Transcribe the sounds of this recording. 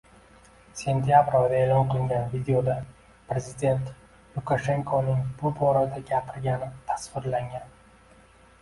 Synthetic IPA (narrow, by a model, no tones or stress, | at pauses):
se̞nt̪ʰijabɾɒd̪aeːlˠɒnqʰɨlˠɪŋɡʲanvid̪eod̪a | pɾe̞zɪd̪e̞nt̪ | lˠʊkʰaʃe̞ŋkʰonɪŋbʊbɒɾad̪aɡʲapʰɪɾɡʲanɪt̪ʰasvɪɾlaŋʲan